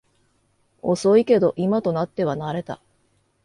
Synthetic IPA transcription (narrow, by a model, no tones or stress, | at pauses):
o̞so̞ike̞d̪o̞ʔimat̪o̞nat̪ːe̞βanaɾe̞t̪a̰